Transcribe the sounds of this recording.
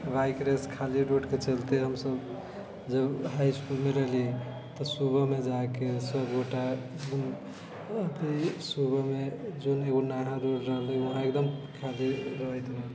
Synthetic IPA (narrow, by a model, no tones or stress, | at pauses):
ʋajkɾeskʰaliɾoɖket͡ʃəlt̪eɦəmsəb | d͡ʒəbɦajskulmeɾəɦli | t̪ɔsubəmed͡ʒakesəbɡoʈa | d͡ʒun | t̪əsubəmed͡ʒoneɡonaɦãɾoɽɾəɦliʋəɦãek̚d̪əmkʰaliɾəɦəjt̪bel